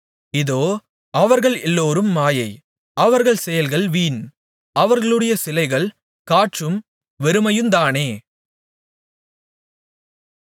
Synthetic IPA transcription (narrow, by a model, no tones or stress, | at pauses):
ɪðoː | ɐʋɐɾɣɐɭɛlːoːɾɯmːaːjɐɪ | ʔɐʋɐɾɣɐɭsɛjɐlɣɐɭʋiːn | ɐʋɐɾɣɐɭɯɽɐjɐsɪlɐɪɣɐɭ | kaːʈrɯm | ʋɛɾɯmɐjɯmd̪aːneː